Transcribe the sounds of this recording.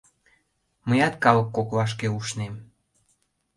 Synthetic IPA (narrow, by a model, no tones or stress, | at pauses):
məjɑt̪̚kɑlɤ̆kːokβɑʃ̬keuʃnem